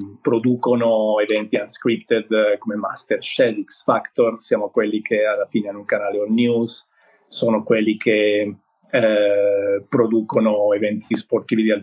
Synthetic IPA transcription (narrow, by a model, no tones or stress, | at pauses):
pɾod̪uːkonoevɛnt̪ianskɾipt̪ed̪komema̰st̪erʃɛd̪iksfakt̪orsjaːmokwelːikʰealːafiːneanːuŋkanaːleɔlnjus | soːnokwelːikʰe | pɾod̪uːkonoevɛnt̪iisport̪ivid̪ial